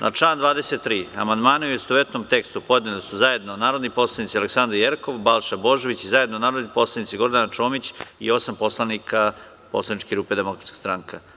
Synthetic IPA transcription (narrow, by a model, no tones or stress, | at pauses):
nʔa̰t͡ʂland̪ʋaːd̪eset̪ːɾiːa̰mand̪maːnuujest̪oʋet̪nomt̪e̞kst̪upo̞d̪nelisuzae̞d̪nonaːɾo̞d̪nipo̞slˠanit̪sialeksand̪ɾjeɾko̞ʋbalˠʃabo̞ʒo̞ʋit͡ɕizaje̞d̪nonaːɾod̪nipo̞slˠanit̪siɡo̞ɾd̪ant͡ʃo̞ːmit͡ɕḭo̞sampo̞slˠanikʰa | po̰slanit͡ʃkeɾuːpe̞d̪emo̞kɾat̪ski̥st̪ɾaŋka